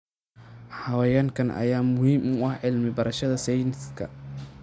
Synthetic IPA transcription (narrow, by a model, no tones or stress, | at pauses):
ħɐwɐjaːŋkʰɐnʔɐ̰jaːmʊhiːmʊʊɐħʕɪlmɪbɐɾɐʃɐðɐsɛjnskʰɐ̰